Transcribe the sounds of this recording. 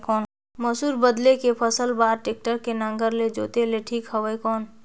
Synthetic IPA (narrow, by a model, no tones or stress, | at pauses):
kɔːn | məsuːɾbəd̪lekepʰəsəlbaːɾʈek̚ʈəɾkenə̃ŋɡəɾled͡ʒoːt̪eleʈʰiːkhəʋəjkɔːn